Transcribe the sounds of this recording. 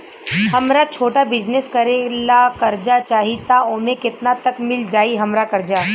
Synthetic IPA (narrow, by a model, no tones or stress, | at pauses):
ɦɐmɾat͡ʃʰoːʈabɪd͡ʒneskɐɾẽlakɐɾd͡ʒat͡ʃaːɦit̪aõːmẽkɪt̪nat̪ɐkmɪld͡ʒaːiɦɐmɾakɐɾd͡ʒaː